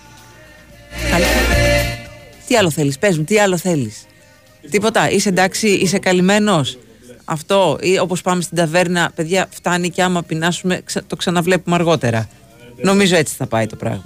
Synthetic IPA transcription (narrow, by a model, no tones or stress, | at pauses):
ɐlɐ | t̪iɐlo̞θe̞lispe̞zmut̪iɐlo̞θe̞lis | t̪ipo̞t̪ɐʔisend̪ɐksiise̞kɐlime̞no̞s | ɐ̰ft̪o̞io̞po̞spɐmest̪ind̪ɐve̞ɾnɐpe̞ðʝɐft̪ɐniceɐmɐpinɐsume̞kst̪o̞ksɐnɐvle̞pumeɐɾɣo̞t̪e̞ɾɐ | no̞mizo̞e̞t͡si̥θɐpɐit̪o̞pɾɐ̰ɣmɐ